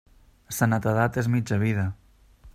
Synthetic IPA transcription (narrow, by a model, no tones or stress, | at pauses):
sanat̪aðat̪ezmid͡ʒəβiðə